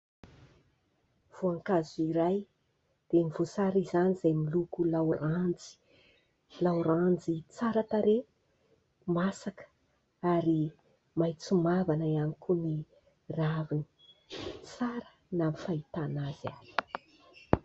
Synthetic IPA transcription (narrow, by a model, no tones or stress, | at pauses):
v̥oaŋkazuiɾaj | d̪̥enivosaɾizanizajmilukulawrand͡zi̥ | lawɾand͡zit͡saɾat̪aɾe | masakə̥ | aɾi | majt͡sumavanaianikuni | ravini̥ | t͡saɾə̥ | namifait̪anaza̰̥